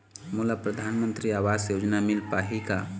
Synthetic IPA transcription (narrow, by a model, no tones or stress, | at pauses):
muːlapɾəd̪ʱaːnmə̃nt̪ɾiaːʋaːzsjoːd͡ʒnamɪlpaːɦika